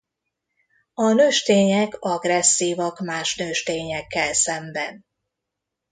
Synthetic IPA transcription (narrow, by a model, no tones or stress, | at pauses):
ɒnøːʃt̪eːɲɛkɒɡrɛsːiːvɒkmaːʃnøːʃt̪eːɲɛkːɛlsɛmbɛn